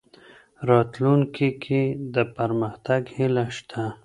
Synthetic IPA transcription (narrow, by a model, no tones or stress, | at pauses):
ɾɑt̪lunkʰikʰed̪əpəɾməxt̪aɡhilaʃt̪ʰa